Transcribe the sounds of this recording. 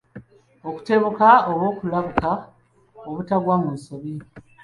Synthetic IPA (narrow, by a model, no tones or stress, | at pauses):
o̞ku̥te̞βukaoβo̞ːkulaβuka | oβutaβwaŋweːsoβi